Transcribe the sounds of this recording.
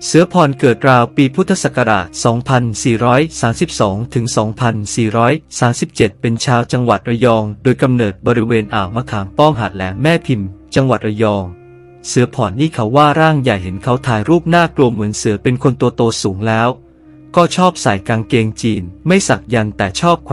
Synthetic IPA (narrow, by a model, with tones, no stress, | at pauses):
sɯ˩˦ɐpʰɔː˨˩nkɤː˨˩t̪̚ɾaː˧wpiː˧pʰu˦˥t̪ʰːa˧sa˨˩ka˧ɾa̰ː˨˩t̪̚sɔː˩˦ŋpʰa˧nsiː˨˩ɾɔː˦˥jsaː˩˦msi˨˩p̚sɔː˩˦ŋt̪ʰɯ˩˦ŋsɔː˩˦ŋpʰa˧nsiː˨˩ɾɔː˦˥jsaː˩˦msi˨˩p̚t͡ɕe˨˩t̪̚pe˧nt͡ɕʰaː˧wt͡ɕa˧ŋwa̰˨˩t̪̚ʔa˧jɔː˧ŋdoː˧jka˧mnɤː˨˩t̪̚bɔː˧ɾi˦weː˧nʔaː˨˩wma˧kʰaː˩˦ŋpɔː˥˩ŋɦaː˨˩t̪̚lɛː˩˦ŋmɛː˥˩pʰi˧mt͡ɕa˧ŋwa̰˨˩t̪̚ʔa˧jɔː˧ŋ | sɯ˩˦ɐpʰɔː˨˩ntiː˥˩kʰa˦˥wːaː˥˩ɾaː˥˩ŋja˨˩jɦe˩˦nkʰa˦˥wt̪ʰaː˧jɾuː˥˩p̚naː˥˩klu˧əmɯ˩˦ənsɯ˩˦ɐpe˧nkʰo˧nt̪u˧ɐt̪oː˧suː˩˦ŋlɛː˦˥w | kɔː˥˩t͡ɕʰɔː˥˩p̚saː˨˩jkaː˧nkeː˧ŋt͡ɕiː˧nma˥˩jsa˨˩k̚ja˧nt̪ɛː˨˩t͡ɕʰɔː˥˩p̚kʰ